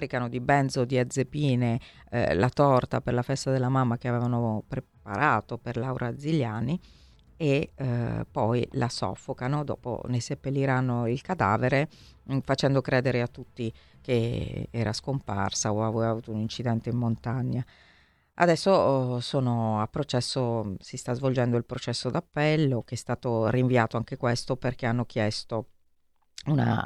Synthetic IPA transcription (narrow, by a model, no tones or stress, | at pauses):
ɾikanod̪ibɛnd̪zod̪iad̪zːepiːnḛ | lat̪ɔrt̪aperlafɛst̪ad̪elːamamːak̟eaveːvanopɾepa̰ɾʔaːt̪operlawɾʔad̪zːilːjaːni | e | pːɔjlʔa̰sɔ̰fːokanod̪ɔ̰ːpo̰nesepːelːiɾanːoilkad̪a̰ːveɾe | fat͡ʃɛnd̪okɾeːd̪eɾeat̪ːut̪ːi | k̟eɛ̰ːɾaskompa̰rsaoavɛːavuːt̪ounint͡ʃid̪ɛnt̪eimːont̪aɲːa | a̰d̪ɛsːosoːnoapːɾot͡ʃɛsːosist̪azvold͡ʒɛnd̪oilpɾot͡ʃɛsːod̪apːɛlːok̟eɛst̪aːt̪oriɱviaːt̪oaŋk̟ekwest̪operkeanːok̟jɛst̪o | una̰